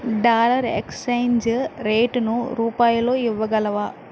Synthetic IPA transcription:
ɖaːlɐɾḛkssɐjnd͡ʒɾeːʈnuɾuːpaːjɐlo̞ːiʋːɐɡɐlɐʋaː

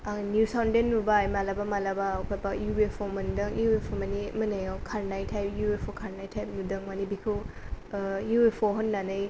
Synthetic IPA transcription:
anjusawndenːubajmalabamalabawkʰapajubepʰomɐndɯŋjuepʰomɐnimɯnajɔwkʰaɾnajtʰajp̚juepʰokʰaɾnajtʰajp̚nudɯŋmanibikʰɯ | juepʰɔɦɯnːanɯj

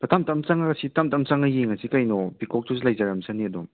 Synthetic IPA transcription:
pɐtamtamt͡ʃaŋaɡɐsitamtamt͡ʃaŋajiŋasikajnɔbikɔk̚tʰuzilajzaɾɐmsʰaniɐdɔm

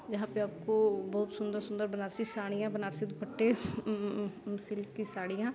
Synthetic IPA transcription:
d͡ʒɐɦãːpeaːp̚kobɐɦʊt̪sʊ̃nd̪əɾsʊ̃nd̪əɾbənaːɾsisaːɽ̃ijãbənaːɾsid̪ʊpʰəʈːe | sɪlkkisaːɽ̃ijãː

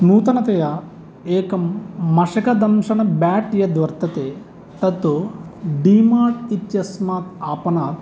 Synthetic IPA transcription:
nuːt̪ɐnɐt̪ɐjɐ | eːkɐmːɐʃɐkɐd̪ɐmʃɐnɐbaːʈjɐd̪ʋɐɾt̪ɐt̪eː | t̪ɐt̪ːuɖiːmaːʈit̪jɐsmaːt̪aːpɐnaːt̪

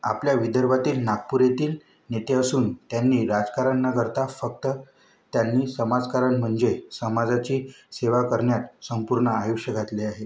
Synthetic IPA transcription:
a̰pljaʋid̪əɾbʱat̪iːlnaɡ̚puɾet̪iːl | net̪eəsuːnt̪janːiːɾad͡zkaɾənːakəɾt̪afək̚t̪ə | t̪janːiːsəmad͡zkaɾəɳm̤əɳd͡zesəmad͡zat͡ɕiː | seʋakəɾɳjat̪səmpuɾɳəajuʂjəɡʱat̪leaɦe

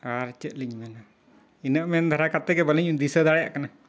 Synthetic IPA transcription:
aɾt͡ʃəʔ̪̚liɲmɛna | inəʔmɛnd̪ʱaɾakat̪ɛɡɛbələɲd̪isəd̪aɽja̰ʔkana

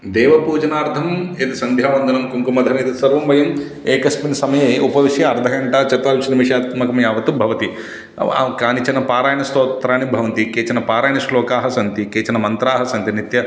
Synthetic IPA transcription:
d̪ɛːʋɐpuːd͡ʒɐnaːɾd̪ʰʱɐmeːt̪isɐnd̪ʱjaːʋɐnd̪ʱɐnɐmkuŋkumɐd̪ʱɐneːd̪isɐɾʋɐmbɐjɐm | eːkɐspinsɐmɐjeupɐʋiʂjɐɐɾd̪ʱɐɡɐɳʈaːt͡ʃɐt̪aːlut͡ʃinimiʂjaːt̪kmɐkɐmjaːʋɐt̪ubʱɐʋɐt̪ḭ | kaːnit͡ʃɐnɐpaːɾaːjɐnɐst̪oːt̪ɾaːnibʱɐʋɐnt̪ikeːt͡ʃɐnɐpaːɾaːjnɐʃlɔːkaːɦɐsɐnt̪ikeːt͡ʃɐnɐmɐnt̪ɾaːɦɐsɐnt̪init̪jɐ

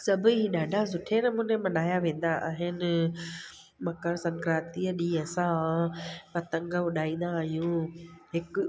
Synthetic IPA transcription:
sɐbʱʊɦiɗaːɖʱazʊʈʰenəmũːnemɐ̃ɗaːjaʋẽːn̆d̪aʔa̰ːɦɪnɪ | mɐkəɽsɐ̃ŋkɾaːt̪iːəɗiɐsã | pɐt̪ɐ̃ŋɡəʋʊɗʱaːĩːn̆d̪aːɦijũɦɪk

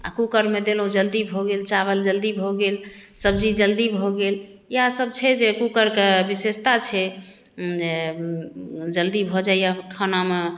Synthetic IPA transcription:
a̰kukəɾmed̪elõd͡ʒəld̪ibʱɔɡelt͡ʃaβəld͡ʒəld̪ibʱɔɡelsəbd͡ʒid͡ʒəld̪ibʱɔɡel | jasəb̚t͡ʃʰɛd͡ʒekukəɾkebisest̪at͡ʃʰɛ | d͡ʒe | d͡ʒəld̪ibʱɔd͡ʒaijakʰəname

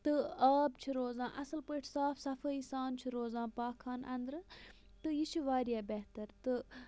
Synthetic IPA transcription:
t̪ɨaːb̚t͡ʃʰiɾoːzãːʔɐsɨlpəːʈʰsaːfʰsɐfɐisaːnt͡ʃʰiɾoːzãːpaːkʰːaːnʔɐnd̪ɾɨ | t̪ɨjit͡ʃʰiʋaːɾijaːbɛɦt̪ɐɾt̪ɨ

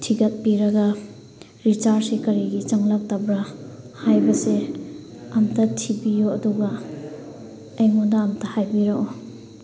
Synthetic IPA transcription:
tʰiɡɐt̚piɾɐɡɐ | ɾit͡ʃaɾsikɐɾiɡit͡ʃɐŋlak̚tabɾa | hajbɐse | ɐmtɐtʰibijoɐduɡa | ɐjŋudaːmtahajbiɾaʔo

